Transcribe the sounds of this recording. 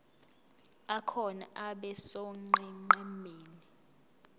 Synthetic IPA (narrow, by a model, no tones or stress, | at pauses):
akʰɔna̰ʔaɓɛsoŋ͡ǃɛŋ͡ǃɛmeːni